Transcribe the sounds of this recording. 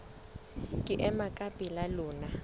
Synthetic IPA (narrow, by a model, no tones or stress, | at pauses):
kʼiʔɛmakʼapʼilaluːna